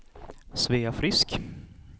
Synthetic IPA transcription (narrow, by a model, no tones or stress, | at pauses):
sveːafɾɪsk